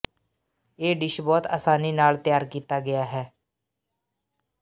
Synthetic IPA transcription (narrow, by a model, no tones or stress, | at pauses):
eːɖɪʃbɔːt̪a̰ːsaːniːnaːlt̪ɪjaːɾkiːt̪aːɡɪjaːɦɛː